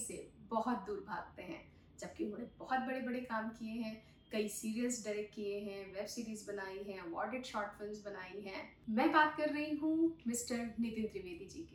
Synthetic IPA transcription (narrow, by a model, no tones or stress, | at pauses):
sebɔɦɔt̪̚d̪uːɾbʱa̰ːɡ̚t̪eɦɛ̰̃ː | d͡ʒɐb̚kiʊnɦõːnebɔɦɔt̪̚bɐɽebɐɽekaːmkieɦɛ̃ː | kɐisiːɾijəzɖaɪɾɛk̚ʈkieɦɛ̃ʋɛːbsiːɾiːzbɐnaːiɦɛ̃ːʋɔ̰ːɖɪʈʃɔːɾʈfɪlmzbɐnaːiɦɛ̃ː | mɛ̃ːbaːt̪kɐɾːɐɦiɦũmɪsʈəɾnɪt̪ɪ̃nd̪ɾiʋeːd̪id͡ʒiːke